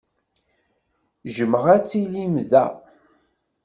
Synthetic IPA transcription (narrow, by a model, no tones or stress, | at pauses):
ʒəməʁæt͡sːilimðæ̰